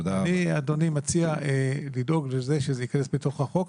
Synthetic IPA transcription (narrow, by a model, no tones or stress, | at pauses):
d̪aniadonimat͡siaelido̞ɡlezeʃezeikanesbeto̞χaχo̞k